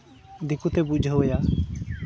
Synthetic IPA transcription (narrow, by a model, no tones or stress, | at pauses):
d̪ikut̪ebud͡ʒʱəwəja